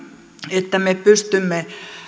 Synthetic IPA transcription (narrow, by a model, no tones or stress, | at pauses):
et̪ːæmepyst̪ymːe